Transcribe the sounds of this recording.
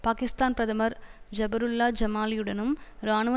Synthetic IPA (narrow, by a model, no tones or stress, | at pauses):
paːkɪst̪aːnpɾɐðɐmɐɾd͡ʒɐbɐɾʊlːaːd͡ʒɐmaːlɪjɯɽɐnɯmɾaːnɯʋɐ